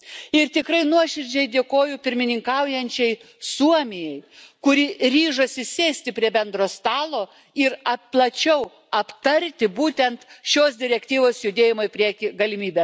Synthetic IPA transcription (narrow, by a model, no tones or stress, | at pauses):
ɪɾt̪ʲɪkɾɐɪnuɔʃʲɪɾʲd͡ʒʲɛɪd̪ʲeːkoːjʊpʲɪɾʲmʲɪnʲɪŋkɐʊjɛnʲt͡ʃʲɛɪ | suɔmʲɪjɛɪkʊɾʲɪɾʲiːʒɐsʲɪsʲeːsʲt̪ʲɪpʲɾʲiɛbʲɛnd̪ɾoːst̪ɑːlˠoː | ɪɾɐpplˠɐt͡ʃʲɛʊ | ɐpt̪ɐɾʲt̪ʲɪbuːt̪ʲɛnt̪ʃʲoːsd̪ʲɪɾʲɛkt̪ʲiːʋoːsjʊd̪ʲeːjɪmoːɪpʲɾʲiɛkʲɪɡɐlʲɪmʲiːbʲeːs